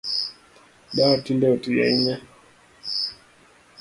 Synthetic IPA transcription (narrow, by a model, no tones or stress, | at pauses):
batindɛɔtuja̰iɲa